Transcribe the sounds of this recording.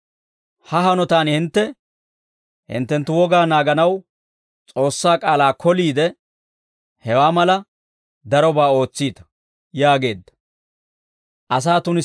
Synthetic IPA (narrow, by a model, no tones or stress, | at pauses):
hɐɦɐnɔt̪aːnhɪnt̪ːɛ | hɪ̰nt̪ːɛnt̪ːʊwɔɡaːnaːɡɐnɐw | t͡sʼo̞ːsːaːkʼaːlaːkʰɔliːd̪ɛ | hɛwaːmɐlɐ | d̪ɐɾɔbaːo̞ːt͡sːiːt̪ɐ̥ | jaːɡe̞ːd̪ːɐ̥ | ʔɐs̬aːt̪ʊnɪ